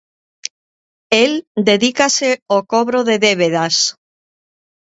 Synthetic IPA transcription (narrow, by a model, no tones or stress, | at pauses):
eld̪eðikaseokoβɾoðeðeβ̞eðas